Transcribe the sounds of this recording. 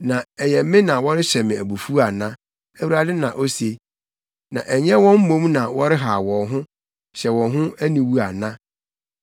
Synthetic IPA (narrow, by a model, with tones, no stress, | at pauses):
nã˨ɛ˨jɛ˨m˦mɪ̃˦nã˨wɔ˦ɾɪ˦ɕɛ˨mɪ̃˨æ˨bu˨fu˦a˨nã˦ | æ˦˨wu˨ɾa˨dɪ˦nã˨ʔo˦se˨˦ | nã̰˨ʔɛ˨ɲɛ̃˦wɔ̃˦m̩˦mõ˦mnã˨wɔ˦ɾɪ˦ɦa˨wɔ̃˨ɦʊ̃˦ | ɕɛ˨wɔ̃˨nɦʊ̃˦æ˦nĩ˨wu˦a˨nã˦